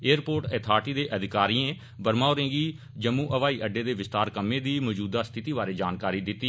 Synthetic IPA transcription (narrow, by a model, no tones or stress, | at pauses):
eːəɾpoːɾʈɛt̪ʰaːɾʈiːd̪eːʔəd̪ɪkaːɾiːẽː | bəɾmaːoːɾẽːɡiː | d͡ʒəmːũːʔəʋaːiːʔəɖeːd̪eːʋɪst̪aːɾkəmːẽːd̪iːmɔːd͡ʒuːd̪aːst̪ʰɪt̪iːbaːɾeːd͡ʒaːnkaːɾiːd̪ɪt̪ːiː